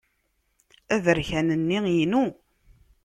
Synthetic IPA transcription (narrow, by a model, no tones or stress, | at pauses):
æðəɾçænənːijnu